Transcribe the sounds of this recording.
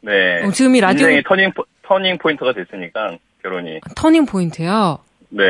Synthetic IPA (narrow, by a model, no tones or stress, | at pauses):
ne̞ot͡ɕiɡɯmiɾaieŋitʰʌɲiŋʰtʰʌɲiŋpʰointʰɯɡadwes͈ɯɲik͈an | kjʌɾoɲḭatʰʌɲiŋpʰointʰɯjo | ne̞